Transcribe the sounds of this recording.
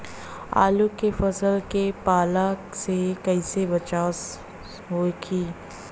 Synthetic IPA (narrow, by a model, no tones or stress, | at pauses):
a̰ːlukefɐsəlkepaːla | sekɐɪsebɐt͡ʃaːs | ɦoːɡiː